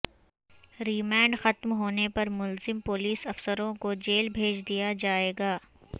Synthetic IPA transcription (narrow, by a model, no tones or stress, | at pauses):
ɾiːmɛ̃ːɳɖxɐt̪mɦoːnepɐɾmʊlzɪmpoːliːsɐfsəɾõkod͡ʒeːlbʱeːd͡ʒd̪ijad͡ʒaːeːɡaː